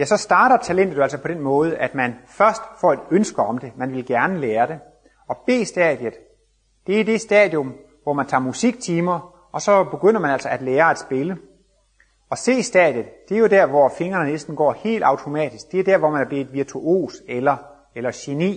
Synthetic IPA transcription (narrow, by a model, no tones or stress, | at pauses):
jæsɒ̽sd̥ɑ̈ːɾ̥ɐt͡sʰælen̰d̥ð̩ˠæl̰sɒpʰɒ̽ɾ̥enmɔ̽ːð̞̩ˠʔæd̥mænfɶɐsd̥fɒ̰e̝d̥ønsɡ̥ɐɒ̽md̥e̝mænʋe̝lɡ̥æɐnəleːɐɾ̥e̝ | ɒ̽b̥e̝̰ːsd̥ɛ̰ð̥ˠjəð̩ˠ | d̥e̝æɐid̥e̝sd̥ɛːð̥ˠjɔ̽m | ʋɒmænt͡sʰɑ̰̈ːmusiɡ̥̚t͡sʰiːmɐ | ʔɒ̽sɒ̽b̥e̝ɡ̥øn̰ɐmænæl̰sɒ̽æd̥leːɐæd̥sb̥e̝lə | ɒ̽se̝̰ːisd̥ɛ̰ð̥ˠjð̩ˠd̥e̝æɐjo̝dæɐ̰ʋɒfe̝ŋɐnənesd̥n̩ɡ̥ɒ̰ːhe̝̰ːld̥ɑ̈ʊt͡sʰo̝mɛ̰ːd̥isɡ̥̚d̥e̝æɐdæɐʋɒmænæb̥le̝dʋiɐt͡sʰuʔo̝̰ːselɐ | elɐɕe̝nḭː